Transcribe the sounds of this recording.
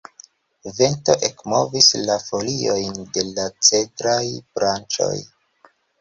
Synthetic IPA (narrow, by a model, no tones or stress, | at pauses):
ve̞nto̞ʔekmo̞vislafo̞lio̞jnde̞lat͡se̞tɾajbɾant͡ʃo̞̰j